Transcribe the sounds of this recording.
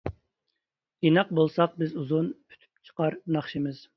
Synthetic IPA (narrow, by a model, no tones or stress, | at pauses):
inɑq̚bolˠsɑq̚bɪzuzunʰy̥t̪ʰy̥p̚t͡ʃʰə̥qɑɾnɑχʃimɨz̥